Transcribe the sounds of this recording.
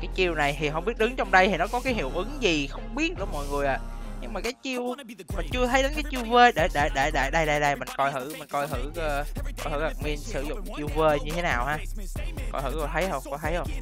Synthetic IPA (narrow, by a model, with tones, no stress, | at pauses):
kaː˨˦jt͡ɕi˧əwna˨˩jt̪ʰi˨˩ɦɔ̰˨˧˨ɓi˦˥ət̚ɗɨ˨˦ŋt͡ɕɔ˧wŋ͡mɗə˧jt̪ʰi˨˩nɔ˨˦kɔ˨˦kaː˨˦jɦḭ˧˩əwʔɨ˨˦ŋzi˨˩xə˧wŋ͡mɓi˦˥ət̚ʔɨ̰˧˩mɔ̰˧˨jŋɨ˨˩əjʔa̰ː˨ɲɨ˧ŋ͡mmaː˨˩kaː˨˦jt͡ɕi˧əw | ma˨˩nt͡ɕɨ˧ət̪ʰə˨˦jɗə˨˦nkaː˨˦jt͡ɕi˧əwve˧ɗe˧˩ɗe˧˩ɗe˧˩ɗe˧˩ɗa˧jɗa˧jɗə˧jmï˨˩ŋ̟kɔ˧jhɨ̰˧˩mï˨˩ŋ̟kɔ˧jɦɨ̰˧˩˧kɔ˧jhɨ̰˧˩ha˨˩k̚mi˧ənsɨ̰˧˩zʊ̰˧˨ŋ͡mt͡ɕi˧əwveː˧ɲɨ˧e˨˦naː˨˩whaː˧kɔ̰˧jhɨ̰˧˩kɔ˧˩t̪ʰə˨˦jhə˧wŋ͡mkɔ˧jt̪ʰə˨˦jhə˧ŋ͡m